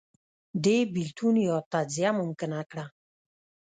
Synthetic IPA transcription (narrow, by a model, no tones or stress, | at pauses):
d̪ebilt̪ʰunjɔt̪ad͡zijamʊmkənakɽa